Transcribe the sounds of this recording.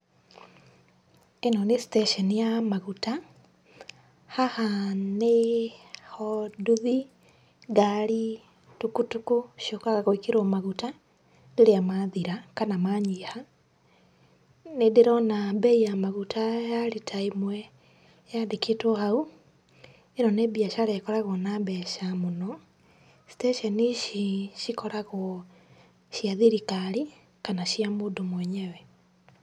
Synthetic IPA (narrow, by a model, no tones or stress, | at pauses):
enɔnesi̥teʃɔnijamaɣuta | hahane | hɔduði | ɡaɾi | tukutukuʃokaɣaɣoikeɾomaɣuta | ndeɾeamaðiɾakanamaɲiha | nedeɾɔnabɛijamaɣutʰajaɾitʰaimwɛ | jadekʰetohau | eɾɔnebiaʃaɾekɔɾaɣɔnabɛʃamonɔ | si̥teʃɛniʃiʃikɔɾaɣɔ | ʃiaðiɾikaɾi | kanaʃiamoːdomwɛɲɛwɛ